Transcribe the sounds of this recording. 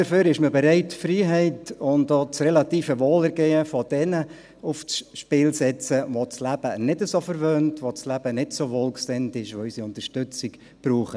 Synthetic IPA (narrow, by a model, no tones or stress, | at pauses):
d̥əɾføːɾɪʃməbɛɾɛɪtfriːɦɛɪtʊndoːt͡srɛlɑtiːfəʋoːlɛɾɡeːəfɔd̥ɛnə | uft͡sʃpɪːlsɛt͡səʋot͡slæb̥ənɪdəsofəɾʋøːntʋot͡slæb̥ənɪdsoʋoːlksɪntɪʃʋoysiʊntəʃtʏt͡sɪk | b̥ɾuːχə